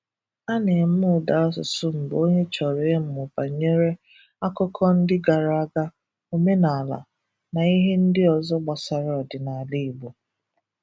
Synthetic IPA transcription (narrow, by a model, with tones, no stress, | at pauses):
a˦ne˨m̩˦mʊ˦˨da˨˦sʊ˨sʊ˦m̩˨bo˦ɲe˦t͡ʃɔ˨ɾe˨˦m̩˨mʊ˨pa˨ɲe˦ɾe˦ | a˦kɔ˦kʰɔ˦n̩˦dɪ˦ɡa˨ɾa˦ɡa˦ | o˦me˦na˨a˨la̰˨ | na˨i˦ɦe˦n̩˦dɪ˦ɔ˨zɔ˦ɡ͡ba˨sa˨ɾɔ˨dɪ˨na˨li˦˨bo˨